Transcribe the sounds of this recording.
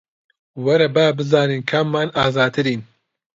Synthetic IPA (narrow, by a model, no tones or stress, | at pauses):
wɐɾɐbaːbɨzaːniːnkʰamːaːnaːzaːd̪̚t̪ʰɨɾiːn